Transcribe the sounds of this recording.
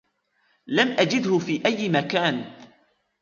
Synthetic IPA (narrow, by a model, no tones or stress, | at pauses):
lamʔad͡ʒɪd̪hʊfiːʔajːmakaːn